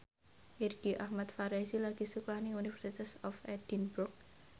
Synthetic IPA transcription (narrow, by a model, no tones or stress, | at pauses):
ʔirɡ̥iʔahmat̪̚faɾesilaɡ̥i̤suklahnɪunifɛrsit̪asɔfɛd̥inbɾʊk̚